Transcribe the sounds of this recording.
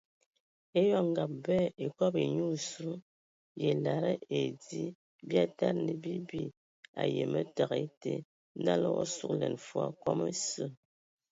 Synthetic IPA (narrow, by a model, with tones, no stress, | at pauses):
e˦jɔ˦ŋ˨ɡa˨p̚bɛ˦˨e˨kɔ˦pe˨ɲu˦˨su˦ | je˨la˨ɾə˦e˨di˦ | bja˦ta˦ɾni˨bi˦bi˦ | a̰˨je˨mə˦ta˨ɣe˦te˦ | na˦lə˦wɔ̰˦su˦klɛ̰˨nfwa̰˦kɔ˦mə˦sə˦˨